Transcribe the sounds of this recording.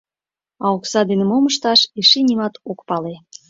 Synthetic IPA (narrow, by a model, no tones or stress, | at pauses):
ɑoksɑd̪enə̆moməʃt̪ɑʃiʃinʲimɑt̪okpɑle